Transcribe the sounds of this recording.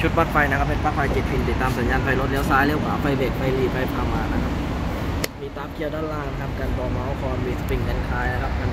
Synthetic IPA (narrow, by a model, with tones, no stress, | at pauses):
t͡ɕʰu˦˥t̪̚paː˦˥˩fa˧jna˦˥kʰa˦˥p̚ːe˧npaː˦˥˩k̚fʰa˧jt͡ɕi˨˩t̪̚pʰi˧nt̪i˨˩t̪ːaː˧msa˨˦njaː˧npʰa˧jlo˦˥t̪̚li˦əwsaː˦˥jli˦˥˨wkʰaː˨˦pfa˧˩jbe˨˩k̚pa˧jliː˨˩p̚pa˧jp̚kʰa˧˩mːaː˧˩na˧˩kʰa˦˥p̚ | miː˧t̪aː˦˥pkʰi˧˥ə˨wdaː˥˩laː˧˩ŋna˧˥kʰa˦˥m̚ka˧nb̪ɔː˨˩mɔ˦˥wkʰɔː˧nmiː˧sa˧pi˨˩ŋka˧˩nkʰaː˧˥jna˦˥kʰa˦˥p̚ka˧n